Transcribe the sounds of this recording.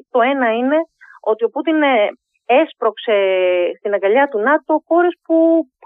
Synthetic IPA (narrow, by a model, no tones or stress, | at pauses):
t̪o̞e̞nɐine̞o̞t̪io̞put̪in | espɾo̞kse̞st̪inɐŋɡɐʎɐt̪unɐt̪o̞xo̞ɾespu